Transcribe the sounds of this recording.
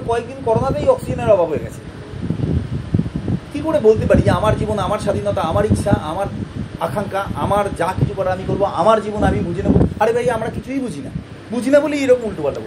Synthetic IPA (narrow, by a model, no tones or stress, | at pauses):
kɔekd̪inkɔɾonat̪ejɔksid͡ʑoneɾɔbʱabʱɦoeɡɛ̰t͡ɕʰe̥ | kikoɽebolt̪epaɾid͡ʑeamaɾd͡ʑibonamaɾʃad̪ʱinɔt̪aamaɾitːʃʰaʔa̰maɾakʰaŋkaʔamaɾd͡ʑakit͡ɕʰukɔɾeamikoɾboa̰maɾd͡ʑibonamibud͡ʑʱinaboliaɾebʱajamɾakit͡ɕʰuijbud͡ʑʱina̰ | bud͡ʑʱinabolieɾokmulʈopalabo